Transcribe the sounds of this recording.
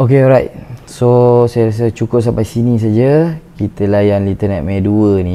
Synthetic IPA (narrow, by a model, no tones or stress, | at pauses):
okeɔɾajt̚sosajaɾas̬ət͡ʃukʊp̚sampajsinĩs̬ad͡ʒakit̪əlajanlit̪ənɛt̪̚maduəni